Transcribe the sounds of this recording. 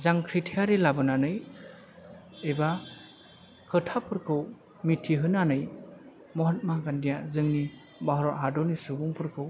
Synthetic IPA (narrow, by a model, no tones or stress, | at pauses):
zaŋkʰɾitʰijaɾelabɯnanɯj | eba | kʰɯtʰapʰɯɾkʰɯw | mitʰiɦɯnanɯj | mɔɦat̚maɡandijazɯŋni | baɦɾɔtɦadɔnisubɔŋpʰɯɾkʰɯw